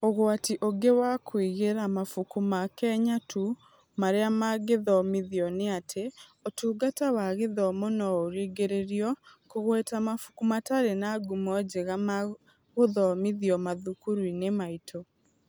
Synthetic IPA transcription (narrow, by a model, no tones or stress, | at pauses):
oɣwatiʔoɡewakʰwiɣeɾamafukumakɛɲatu | maɾeamaɡeðɔmiðiɔneatʰeotuːɡatawaɣeðɔmonɔoɾiɡeɾeɾiɔkoɣwɛtamafu̥kumataɾenaɡumɔd͡ʑeɣama | ɣoðɔmiðiɔmaðukuɾwinemaitʰo